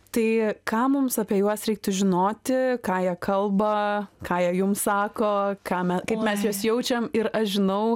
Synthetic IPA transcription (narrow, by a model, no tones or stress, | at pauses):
t̪ɐɪkɑːmʊmsɑːpʲiɛjuɔsɾʲɛɪk̚t̪ʊʒʲɪnoːt̪ʲɪkɑːjiɛkʰɐlˠbɐkɑːjiɛjʊmsɑːkoːkɑːmʲɛkɐɪpmʲɛsjuɔsjɛʊt͡ʃʲɛmɪɾɐʃʒʲɪnɐʊ